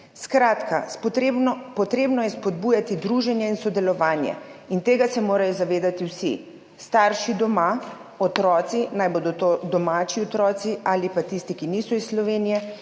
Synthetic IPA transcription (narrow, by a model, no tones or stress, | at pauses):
skɾaːt̪kʰaɾebpɔt̪ɾeːbnɔjɛspɔd̪bujat̪id̪ɾuʒɛnjɛinsɔd̪ɛlɔʋaːnjɛ̰int̪eːɡasɛmoːɾajɔzaʋeːd̪at̪iwsḭ | st̪aːɾʃid̪ɔma | ɔt̪ɾɔːt̪sinajboːd̪ɔt̪od̪ɔmaːt͡ʃiɔt̪ɾɔːt̪siaːlipat̪ist̪ikinisɔisslɔʋeːnijɛ